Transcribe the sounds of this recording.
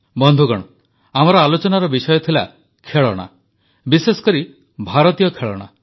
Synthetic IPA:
bɔnd̪ʱuɡɔɽ̃ɔ | amɔɾɔalot͡ʃɔnaɾɔbisɔjɔt̪ʰila̰ | kʰeɭɔɽ̃a̰ | bisesɔ̥kɔɾi | bʱaɾɔt̪ijɔkʰeɭɔ̰ɽ̃a̰

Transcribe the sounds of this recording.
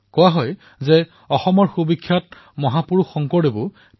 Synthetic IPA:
kɔwaɦɔj | zɛ | ɔxɔmɔɹxubikʰːjat̚ | mɔɦapuɹuxɔŋkɔɹɾebʊ

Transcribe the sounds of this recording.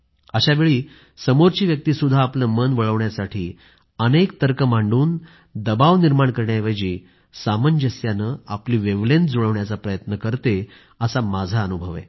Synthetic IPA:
əɕaʋeɭiː | səmoɾt͡ɕiːʋjək̚t̪iːsud̪ʱːaːpləmənʋəɭəʋɳjasaʈʰiː | ənek̚t̪əɾkəmaɳɖuːn | d̪əbaʋniɾmaɳkəɾɳjaʋəd͡ʑiː | saməɲd͡ʑəsjanəapliːʋeʋlend͡zoɭəʋɳjat͡sapɾəjət̪nəkəɾt̪e | əsamad͡zʱaənubʱəʋḛ

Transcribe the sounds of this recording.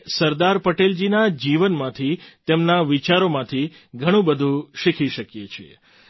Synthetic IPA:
səɾd̪aɾpəʈeld͡ʒinad͡ʒiʋənmãt̪ʰit̪emnaʋit͡ʃaɾomãt̪ʰi | ɡʱəɽ̃ũbəd̪ʱũʃikʰiʃəkjet͡ʃʰḛ

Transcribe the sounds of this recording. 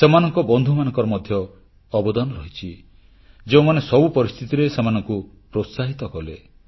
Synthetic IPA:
semanɔŋkɔbɔnd̪ʱumanɔ̃ŋkɔɾɔmɔd̪ʱjɔː | bɔd̪ɔnɔɾɔɦit͡ʃʰi | d͡ʒeũmanesɔbupɔɾist̪ʰit̪iɾesemanɔŋku | pɾot̪saɦit̪ɔkɔle

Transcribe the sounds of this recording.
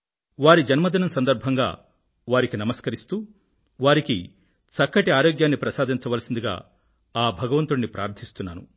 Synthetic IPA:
ʋaːɾid͡ʒɐnmɐd̪inɐmsɐnd̪ɐɾbʱɐŋɡa̰ː | ʋaːɾikinɐmɐskɐɾist̪uː | ʋaːɾiki | t͡ʃɐkːɐʈiaːɾoːɡjaːnːipɾɐsaːd̪ʱiɲt͡ʃɐʋɐlɐsind̪iɡa̰ː | aːbʱɐɡɐʋɐnt̪unːipɾʔa̰ːɾt̪ʰist̪unːaːnṵ

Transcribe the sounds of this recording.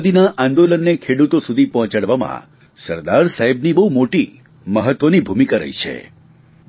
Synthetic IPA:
d̪inaʔãnd̪olənːekʰeɽut̪osud̪ʱipɔ̃ɦt͡ʃaɽʋamã̰ | səɾd̪aɾsaɦibnibəɦumoʈi | məɦət̪ʋənibʱumikaɾə̰jt͡ʃʰḛ

